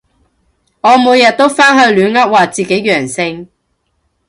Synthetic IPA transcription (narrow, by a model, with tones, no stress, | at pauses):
ŋɔː˨˧muː˨˧jɐ˨t̪̚t̪o˥wfaː˥nɦɵ˧ɥlyː˨˧nŋɐ˥t̚waː˨t͡siː˨ke˨˥jɥœː˨˩ŋsɪ˧ŋ